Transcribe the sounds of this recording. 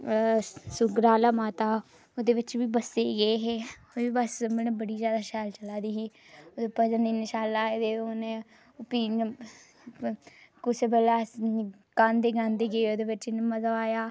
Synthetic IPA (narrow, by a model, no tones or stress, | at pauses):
sʊɡɾaːlaːmaːt̪aː | oːd̪eːʋɪt͡ʃbiːbəseːɡəeːɦeːoiːbəsmelẽbəɽiːd͡ʒjaːd̪aːʃɛːlt͡ʃəlaːd̪iːɦiː | oːd̪eːpəd͡ʒəniːnɪʃaːlaːed̪eːoːne | piːn | kʊsebəlaː | kãːnd̪eːɡãːnd̪eːɡəeːoːd̪eːʋɪt͡ʃɪnməzəʋaːjaː